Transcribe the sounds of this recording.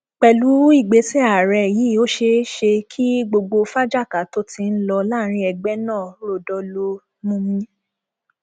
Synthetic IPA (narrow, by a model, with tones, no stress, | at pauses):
k͡pɛ˨lu˨˦i˦˨ɡ͡be˨˦sɛ˦a˨ɾɛ˧˨ji˨˦˨o˦ʃe˧˦ʃe˧kʰi˦ɡ͡bo˧ɡ͡bo˧fa˦d͡ʒa˦˨ka˨to˦ti˧n̩˦lɔ˧la˦˨˦ɾ̃ĩ˧˦ɛ˧ɡ͡bɛ˦nãː˦˨˦ɾo˦˨dɔ˧lo˧ | mũ˧mĩ˧˦